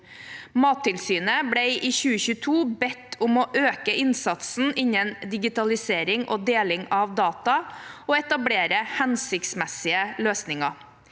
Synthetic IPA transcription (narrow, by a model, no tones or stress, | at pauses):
mɑːt̪ʰːɪlsyːnəbɽæɪʔiːçʉːəçʉːt̪ʰuːbɛt̪ːʊmoːʔøːkəɪnsɑt̪sn̩ʔɪɲənd̪ɪɡɪt̪ɑlɪseːɾɪŋʔo̰ːd̪eːlɪŋɑʋd̪ɑːt̪ɑoːɛt̪ɑbɽeːɾəhɛnsɪkt̪smɛsɪəløːsnɪŋɑ